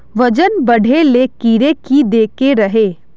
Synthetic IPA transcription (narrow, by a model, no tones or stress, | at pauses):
ʋɐd͡ʒənbɐɽʱelekiːɾekid̪eːkeɾɐɦeː